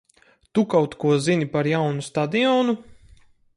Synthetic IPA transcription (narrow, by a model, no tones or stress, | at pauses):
t̪ukawt̪kuɔzinipaɾjawnust̪ad̪iɔːnu